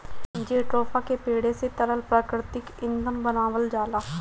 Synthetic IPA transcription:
d͡ʒeːʈɾoːpʰaːkeːpeːɽeːseːt̪əɾəlpɾaːkɾɪt̪ɪkɪ̃nd̪əmbənaːʋəld͡ʒaːlaː

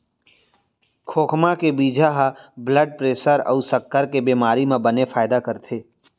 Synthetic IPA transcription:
kʰoːkʰmakebiːd͡ʒʱaɦabləɖ̚pɾeːsəɾə̰usəkːəɾkebiːmaːɾimãbənefaːɪd̪akəɾt̪ʰeː

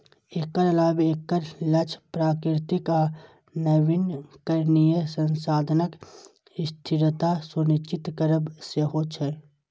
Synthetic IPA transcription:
eːkːəɾɐlaːbeːkːəɾlət͡ʃʰpɾaːkɾɪt̪ika | nəʋɪnkəɾnijəsə̃nsaːd̪ʱənək | ɪst̪ʰɪɾət̪asʊnɪt͡ʃɪt̪kəɾəbseɦot͡ʃʰɛ

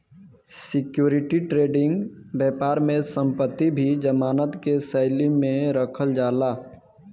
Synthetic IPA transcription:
sɪkjuːɾɪʈiʈɾeːɖɪ̃ŋɡbɛːpaːɾmẽsə̃mpət̪ːibʱid͡ʒəmaːnət̪kesəɪlimẽɾəkʰəld͡ʒaːlaː

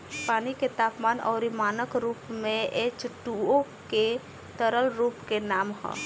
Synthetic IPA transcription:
paːniket̪aːpmaːnɔ̰ːɾimaːnəkɾuːpmẽet͡ʃʈuo | ke | t̪əɾəlɾuːpkenaːmɦɔ̰

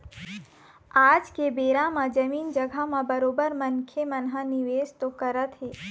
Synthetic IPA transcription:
aːd͡ʒkebeːɾamãd͡ʒɐmiːnd͡ʒɐɡʱamãbɐɾoːbəɾmɐŋkʰjemɐnɦanɪʋeːst̪okɐɾət̪ɦeː

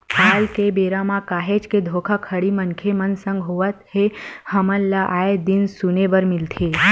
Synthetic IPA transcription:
balkebeɾamãkaɦet͡ʃked̪ʱokʰakʰəɽimənkʰemənsə̃ŋɡɦoʋət̪hehəməllaʔaed̪insuneʋəɾmɪlt̪ʰe

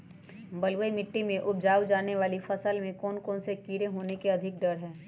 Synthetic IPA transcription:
bɐlʋəimɪʈːimẽʔʊb̚d͡ʒaːwd͡ʒaːneʋaːlifɐsəlmẽkɔːnkɔːnsekiːɾeɦoːnekeɐd̪ʱɪk̚ɖɐɽɦɛː

